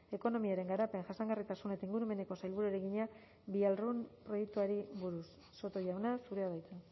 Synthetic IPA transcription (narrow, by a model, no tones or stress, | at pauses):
e̞ko̞no̞miaɾe̞ŋɡaɾape̞nʝasaŋɡarit̪asune̞t̪aiŋɡuɾume̞ne̞ko̞sajlβuɾueɾeɣiɲa | bialrunpɾo̞jek̚t̪uaɾiβuɾusːo̞t̪o̞ʝawnasuɾe̞aðajt͡s̪e